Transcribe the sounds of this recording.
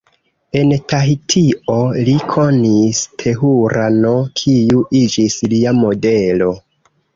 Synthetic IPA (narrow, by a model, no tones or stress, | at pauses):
e̞ntaitʰio̞likʰo̞nistʰe̞ɦuɾano̞kʰiuʔid͡ʒisliamo̞de̞lo̞